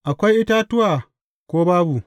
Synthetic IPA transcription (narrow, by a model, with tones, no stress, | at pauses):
ʔa˨kʷa˦jʔi˦ta˦tu˦wa˨ | kʷoː˦baː˦bu˨